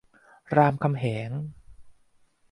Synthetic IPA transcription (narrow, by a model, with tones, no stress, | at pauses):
ɾaː˧mkʰa˧mɦeː˩˦ŋ